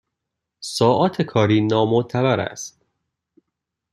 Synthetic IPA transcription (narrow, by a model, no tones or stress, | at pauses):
sɒːʔɒːt̪ʰekʰɒːɾiːnɒːmot̪ʰævæɾæ̰st̪̚